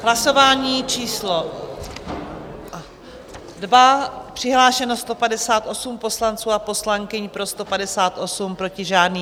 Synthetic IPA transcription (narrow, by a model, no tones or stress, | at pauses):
ɦlaso̞vaːɲiːt͡ʃiːslo̞ | dbapr̝̥ɪɦlaːʃɛnost̪o̞padɛsaːt̪ʔo̞sumpo̞slant͡suːapo̞slaŋkɪɲpɾo̞st̪o̞padɛsaːt̪ʔo̞sumpɾo̞cɪʒaːdniː